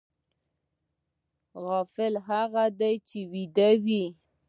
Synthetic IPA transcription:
ɣɑfɪlɦaɣad̪ajt͡ʃewid̪awi

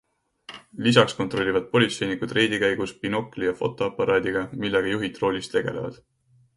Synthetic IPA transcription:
lis̬ɑksko̞t̪ro̞lʲːivɑd̪̥̚po̞lʲit̪se̞jnikud̪̥re̞ːd̪ikæjɡ̥uspino̞kːˑlijɑfo̞̰t̪ːˑo̞ɑpˑːɑɾɑːd̪̥iɡ̥ɑmilːeɡ̥ɑjuɦit̪ːˑro̞lʲist̪ːe̞ɡ̥e̞le̞̰vɑ̰d̪̥

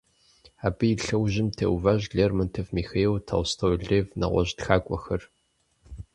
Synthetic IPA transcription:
aːbɨjiɬɐwʑɪmtʰḛwvaʑɮeːrmɐntʰɐfmiːxejwtʰɐ̰wʷstʰɐwɮeːvnɐ̰ʁʷɔ̰ʑtxaːkʷʼɔxɐr

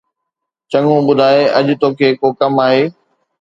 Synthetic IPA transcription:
t͡ɕɐ̃ŋɡũɓʊd̪ʱaːeɐʄʊt̪oːkʰeːkoːkɐmaːɦeː

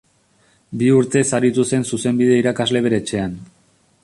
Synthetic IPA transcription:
biuɾt̪e̞saɾit̪use̞nsuse̞mbið̞eiɾakazle̞β̞e̞ɾe̞t͡ʃe̞an

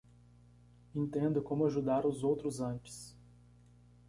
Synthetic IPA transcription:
ẽnt̪ẽnd̪ʊkõmʊaʒud̪aɾʊzowt̪ɾʊzɐ̃t͡ʃɪ̥s

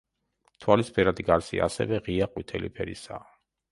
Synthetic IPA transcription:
t̪ʰwalispʰɛɾad̪iɡaɾsḭasɛ̰vɛʁiaqʼwit̪ʰɛlipʰɛɾḭsaː

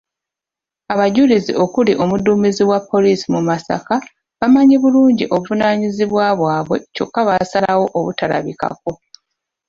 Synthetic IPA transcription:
aβaɟulizḭʔo̞kuliʔomuduːmiziβwapʰːo̞liːsimumasa̰ka | βamaɲiβuluːɲɟiʔo̞βuvunaːɲiziβwaβwaːβwe̞co̞̰kːaβasalawo̞ʔoβutala̰βika̰ko̞

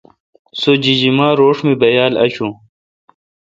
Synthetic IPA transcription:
sod͡ʑid͡ʑimaːɾoːʂmebɐjaːlɐ̰ɕũ

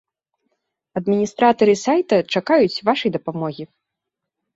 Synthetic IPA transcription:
ɐd̪mʲinʲist̪ɾat̪ɐɾɨsajt̪ɐt͡ʂakajut͡sʲvaʂɐjd̪ɐpamɔɣʲi

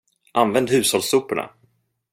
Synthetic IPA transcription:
ʔanvɛnd̪hʉ̟ːshɔlsuːpʊɳa̰

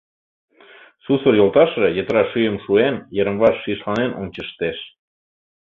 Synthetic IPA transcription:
susərjolˠt̪ɑʃejə̆t̪əɾɑʃyjəmʃuenjəɾə̆mβɑʃːiʃlɑnenʔont͡ɕəʃt̪eʃ

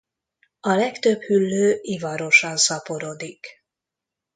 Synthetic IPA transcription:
ɒlɛkt̪øbhylːøːivɒɾo̞ʃɒnsɒpo̞ɾoːd̪ik

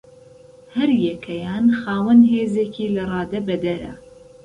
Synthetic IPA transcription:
hɐɾjɛkʰɐjaːnxaːwɐnɦeːzeːkʰiːlɐrˤɑːd̪ɐbɐd̪ɐɾɐ̰

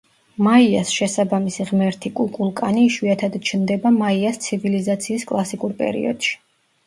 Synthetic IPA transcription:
maiasʃɛsabamisiʁmɛɾt̪ʰikʼukʼulˠkʼaniʃwiat̪ʰad̪t͡ʃʰnd̪ɛbamaiast̪sʰivilizat̪sʰiːskʼlˠasikʼuɾpʼɛ̰ɾḭɔ̰d̪̥ʃi̥

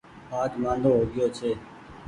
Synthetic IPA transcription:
aːd͡ʒ̪mãːnd̪oːɦoːɡɪjoːt͡ʃʰeː

